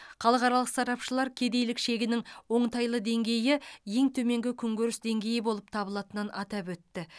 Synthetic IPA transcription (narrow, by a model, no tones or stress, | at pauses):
χɑlˠəqɑɾɑlˠəqsɑɾɑpʃəlˠɑɾkʲʰe̞d̪e̞jlɪkʃe̞ɡʲɪnɪŋwo̞ɴt̪ɑjlˠəd̪e̞ŋɡʲe̞jɪje̞ŋt̪ʰɵme̞ŋɡʲɪkʲʰʏŋɡʲøɾɪsd̪e̞ŋɡʲe̞jɪbo̞lˠəp̚t̪ʰɑbəlˠɑt̪ənənʔɑt̪ɑpwɵt̪ːɪ